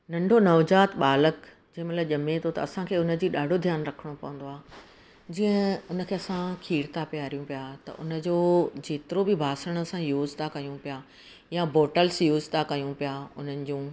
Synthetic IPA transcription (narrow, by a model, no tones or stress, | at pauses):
nɐ̃ɳɖʱonɐʋd͡ʑaːt̪ɓaːlək | d͡ʑɐ̃ɦɪ̃mɐt̪ləbʄɐmet̪ʰot̪ɐ̰ɐsãkʰeːʊnə̆d͡ʑiːɗaːɖʱod̪ʱjaːnɾɐkʰəɽ̃opɐʋə̃n̆d̪oaːɦ | d͡ʑĩːə̃ʊnə̆kʰeːɐsãkʰiːɽt̪ʰapjaːɾijũpijat̪ɐ̰ʔʊnə̆d͡ʑoːd͡ʑeːt̪ɪɾobɪbʱaːsəɽ̃ə̆sãjuːzt̪ʰakɐjũpija | jabʱoːʈəlsjuːzt̪ʰakɐjũpijaʊn̤ənɪ̆d͡ʑũː